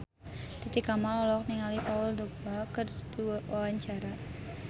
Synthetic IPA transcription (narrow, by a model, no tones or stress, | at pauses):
t̪it̪ikamalɔlɔk̚niŋalipaʊld̪obakərduwawaɲt͡ʃaɾa